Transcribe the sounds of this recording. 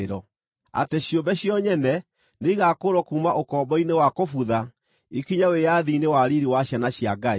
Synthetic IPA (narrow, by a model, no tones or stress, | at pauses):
ɾɔ | a̰teɕjombɛɕjɔɲɛnɛ | neiɣakoɾɔkuːmaʔokɔːmbɔinewakofuða | ikiɲawejaðiːnewaɾiɾiwaɕjanaɕjaɡae